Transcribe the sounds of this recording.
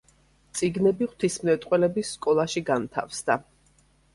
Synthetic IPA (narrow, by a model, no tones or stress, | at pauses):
t̪sʼiɡnɛbiχwt̪ʰismnɛt̪ʼqʼwɛlɛbisːkʼɔlˠaʃiɡant̪ʰa̰fsd̪a